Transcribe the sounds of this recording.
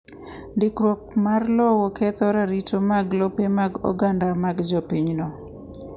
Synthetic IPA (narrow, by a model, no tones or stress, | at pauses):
ndɪkɾɔk̚marlɔwɔkɛt̪ɔɾaɾitomaɡlɔpemaɡɔ̰ɡandamaɡd͡ʒɔpiɲnɔ